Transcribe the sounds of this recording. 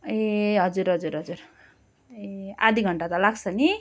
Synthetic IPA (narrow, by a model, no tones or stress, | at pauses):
eɦʌd͡zuɾɦʌd͡zuɾɦʌd͡zur | ea̰d̪ʱiɡʱʌɳʈat̪ʌlaɡt͡sʰʌni